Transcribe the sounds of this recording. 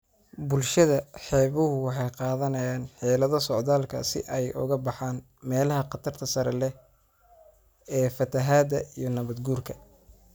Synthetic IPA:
bʊlʃɐðɐħɛːβʊɦʊwɑħɑjqɑːðɐnɐjaːnħɛːlɐðɐsɔʕd̪aːlkʰɐ̰sɪ̰ʔɛjʔʊ̰ɣɐbɑħaːn | mɛːlɐɦɐqɑt̪ʰɐrt̪ʰɐsɐɾɛlɛ | ɛːfɐt̪ʰɐɦaːd̪ɐijɞnɐβɐd̪ɡuːrkʰɐ

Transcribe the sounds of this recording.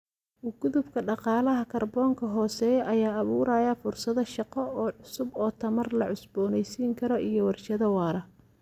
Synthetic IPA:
ɡʊðʊbkʰɐɖɑqɑːlɐɦɐkʰɐrbɔːŋkʰɐɦɔːsɛːjʔɐjaːɐβuːɾaːjɐfʊrsɐðɐʃɑqɔɔːʕʊsʊbɔːt̪ʰɐmɐrlɐʕʊsbɔːnɛjsiːŋkʰɐɾɔʔijɔwɑrt͡ʃɐðɐwɑːɾɐ

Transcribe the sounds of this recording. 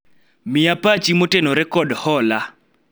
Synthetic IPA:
mɪapat͡ʃimotenɔɾɛkɔdhɔla

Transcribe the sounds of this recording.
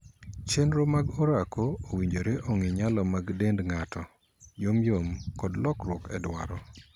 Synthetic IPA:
t͡ʃenɾomaɡoɾakʰoːwiɲd͡ʒoɾeʔoŋɪɲalɔmaɡdendŋatɔ | jomjomkɔdlɔkrwɔkɛ̰dwa̰ɾɔ

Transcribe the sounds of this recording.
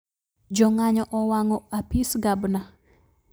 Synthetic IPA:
d͡ʒɔŋaɲɔʔɔwaŋɔapisɡabna

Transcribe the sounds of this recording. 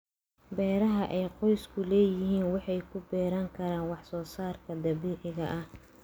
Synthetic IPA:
bɛːɾɐɦɐʔɛjqɔjskʰʊlɛːjɪɦiːnwɑħɑjkʰʊbɛːɾaːŋkʰɐɾaːnwɑħsɔːsaːrkʰɐd̪ɐβiːʕɪɣɐʔɐh

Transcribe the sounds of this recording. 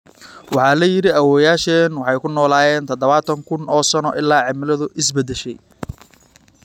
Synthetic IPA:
wɑħɑːlɐjɪɾɪɐwɔːjaːʃɛːnwɑħɑjkʰʊnɔːlaːjɛːnt̪ʰɐd̪ɐβaːt̪ʰɐŋkʰʊnɔːsɐnɔʔɪlːaːʕɪmɪlɐðʊʔɪs̬bɛd̪ɛʃɛj

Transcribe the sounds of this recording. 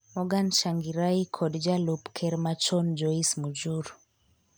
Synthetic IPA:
mɔɡanʃaŋɡiɾaikʰɔdd͡ʒalupkʰɛɾmat͡ʃɔnd͡ʒɔismud͡ʒuɾ

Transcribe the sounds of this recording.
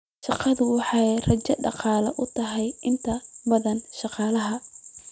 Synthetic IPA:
ʃɑqɑðʊwɑħɑjrɐt͡ʃɐɖɑqɑːlɐʔʊt̪ʰɐɦɛjɪnt̪ʰɐbɐðɐnʃɑqɑːlɐɦɐ

